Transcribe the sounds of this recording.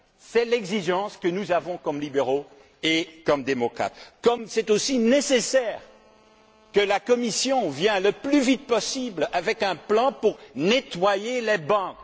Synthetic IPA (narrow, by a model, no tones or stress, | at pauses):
sɛlɛɡziʒɑ̃skənuzavɔ̃kɔmlibeʁo | ekɔmd̪emɔkχa̰t̪kɔmsɛt̪osinesesɛʁ | kəlakɔmisjɔ̃vjɛ̃ləplyvit̪̚pɔsiblavɛkɛ̃plɑ̃puʁnet̪wajelɛbɑ̃k